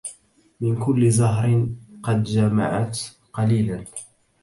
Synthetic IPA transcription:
mɪnkʊlːɪzaɦɾɪnqɑd̪d͡ʒama̰ʕat̪ | qɑliːlan

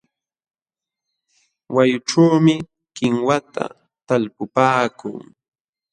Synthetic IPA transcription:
wajʊʈ͡ʂawmɪ | kɪŋwat̪ʰa̰ | t̪alpʊpaːkʊ̰ŋ

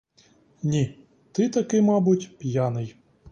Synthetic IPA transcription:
nʲi | t̪ɪt̪ɐkɪmɑbʊtʲpʲjanɪj

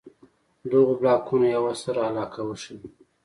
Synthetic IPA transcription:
d̪oɣoblɑkunajawasəɾaːlɑːkawəʃəl

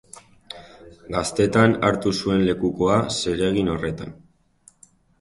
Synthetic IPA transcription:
ɡast̪e̞t̪anaɾt̪usue̞nle̞kuko̞ase̞ɾe̞ɣ̞ino̞re̞t̪a̰n

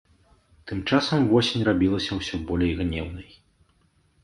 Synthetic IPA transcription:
t̪ɨmt͡ʂasɐmvɔsʲenʲrabʲilˠɐsʲɐwsʲɔbɔlʲejɣnʲɛwnɐj

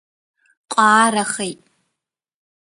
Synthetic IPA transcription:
qʷʼɑːɾaχejtʼ

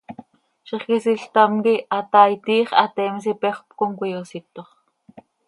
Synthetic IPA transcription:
ʃiχkisiɬt̪amkiʔɑt̪ɑjt̪iːχɑ̰t̪ɛms̬ipeχʷpkoŋkʷijosit̪oχ

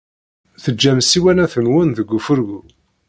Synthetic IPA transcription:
θəd͡ʒːæmsiwænæθənwənðəɡʷːufəɾɣu

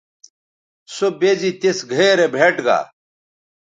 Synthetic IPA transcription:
sobezit̪esɡʱeɾebʱeːʈɡa̰ː

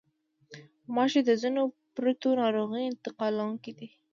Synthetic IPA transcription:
mɑʃed̪əzino | pɾat̪onɑɾoɣiɪnt̪ɪqɑlawuŋkid̪i

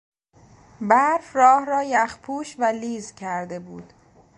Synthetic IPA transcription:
bæɾfrɒːhɾɒːjæχpʰuːʃvæliːzcʰæɾd̪e̞buːd̪̥

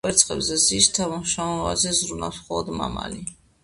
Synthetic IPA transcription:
ɛɾt̪sʼqʼɛbzɛzist̪ʰamaʃamɔvazɛzɾunasχɔlˠɔd̪ma̰ma̰li

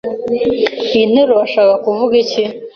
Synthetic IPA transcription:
in̥eɾoβaʃaːkakuvuɡici

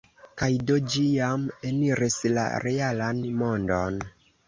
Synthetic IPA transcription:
kajdod͡ʒijameniɾisla̰ɾʔealanmo̞ndon

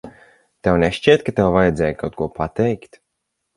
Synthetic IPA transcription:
t̪ɛwnʲɛʃt͡ʃʲiːt̪kat̪ɛwvajɛd̪zɛːjkawt̪̚kuɔpʰat̪ɛjkt̪

